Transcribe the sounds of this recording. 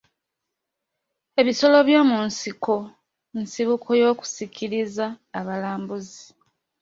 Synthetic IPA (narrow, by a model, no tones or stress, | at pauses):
e̞βiso̞lo̞βjo̞ːmunsiko̞ | nsiβukʰo̞jo̞ːku̥sicʰiɾizaːβalaːmbuzi